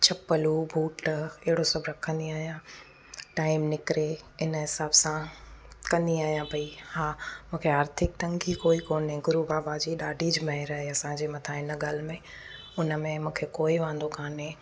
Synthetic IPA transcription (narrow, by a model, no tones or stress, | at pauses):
t͡ɕʰɐpəlubʱuːʈɪɦɪɽosɐbʱɾɐkʰə̃nd̪iaːɦijã | ʈaːɪmnɪkɾeɪnɦɪsaːbsãkɐ̃nd̪iaːɦjãpɐihaːmũːkʰeaːɾt̪ʰɪk̚t̪ɐ̃ŋɡikoːikoːnɦẽɡʊɾubaːbad͡ʑiɗaːɖʱid͡ʑmɐɦeɾɐɦeɐsãd͡ʑeːmɐt̪ʰãɪnəɠaːl̤mẽ | ʊnəmẽmũːkʰekoːiʋãːnd̪okʰaːne